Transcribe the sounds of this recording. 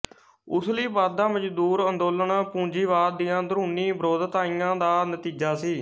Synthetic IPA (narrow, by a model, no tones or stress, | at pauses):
ʊsliːbaːd̪̚d̪ãːməd͡ʒd̪uːɾənd̪oːləɳpũːɲd͡ʒiːʋaːɾd̪ijãːd̪əɾũːniːbəɾoːd̪t̪aːiːjãːd̪aːnət̪iːd͡ʒaːsiː